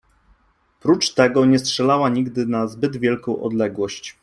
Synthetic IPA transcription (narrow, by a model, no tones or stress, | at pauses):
pɾut͡ʂt̪ɛɡɔɲɛstʂɛlawaɲiɡd̪ɘnazbɘd̪vʲjɛlkɔ̃w̃ʔɔ̰d̪lɛɡwɔɕt͡ɕ